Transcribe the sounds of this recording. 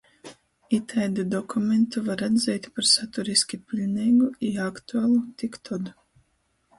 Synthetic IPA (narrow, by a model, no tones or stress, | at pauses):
it̪ʰɛjd̪ɨd̪ɔkumʲent̪uvaɾad̪zʲɛjt̪ʲpaɾsat̪uɾisʲkʲipʲilʲnʲɛjɡuiakt̪uaːlˠut̪ikt̪ʰɔd̪u